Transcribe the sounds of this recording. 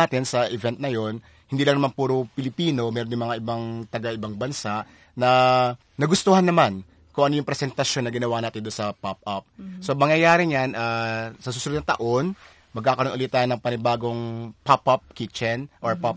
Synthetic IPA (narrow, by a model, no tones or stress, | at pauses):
at̪ɪnsɐʔɪvɛnt̪̚nɐjo̞n | hɪnd̪iːlɐŋnɐmanpuːɾopɪlɪpiːno̞mɛːɾonɪŋmɐŋaʔɪbaŋt̪ɐɡaʔɪbaŋbɐnsaʔ | nɐː | ɐɡʊst̪ohanːɐman | kʊŋʔɐnojʊŋpɾɛsɛnt̪ɐʃjo̞nːɐɡɪnɐwaʔnaːt̪ɪnd̪onsɐpap̚ʔɐp̚somɐŋjɐjaːɾɪɲanʔasɐsusʊlod̪nɐt̪ɐ̰ʔo̞n | mɐɡkaːkɐɾonʔʊlɪt̪ːaːjnɐŋpɐnɪbaːɡo̞ŋpapːap̚kit͡ʃɛnʔoɹpap